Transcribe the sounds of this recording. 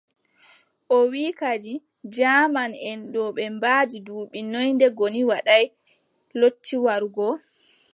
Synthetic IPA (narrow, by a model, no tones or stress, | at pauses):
ʔɔwiːkad͡ʒi | d͡ʒamanɛnɗɔɓɛmbaːd͡ʒiduːɓinojndɛɡoniwaɗaj | lotːiwaɾɡɔ